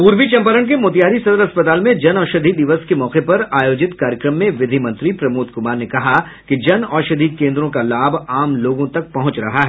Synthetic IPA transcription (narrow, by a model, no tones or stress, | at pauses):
puːɾʋit͡ʃɐ̃mpəɾəɳk̬emoːt̪̬ijaːɾisɐd̪əɾɐspɐt̪aːlmẽd͡ʒɐnɔːʃɐd̪ʱid̪ɪʋəskemɔːqepɐɾaːjoːd͡ʒɪt̪kaːɾjəkɾəmːẽʋɪd̪ʱimɐ̃nt̪ɾipɾɐmuːt̪kʊmaːɾnekɐɦa | kid͡ʒɐnɔːʃɐd̪ʱikẽːnd̪ɾõkalaːbʱaːmloːɡõt̪ɐk̚pɐɦʊ̃t͡ʃɾɐɦaɦɛː